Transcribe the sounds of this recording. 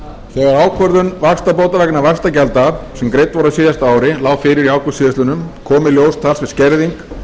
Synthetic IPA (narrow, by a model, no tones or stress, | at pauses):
θɛːɣaɾaːwkʰœɾðʏnvakst̪apowt̪avɛknavakst̪acɛlt̪asɛmkɾejt̪vaɾaðsɪːðjast̪aaːwɾɪlaːwfɪːɾɪɾiaːwkʰʏ̥siːðɪst̪ʏnʏmkʰɔːmɪljoːwst̪ʰalsvɪ̥scɛɾðiŋk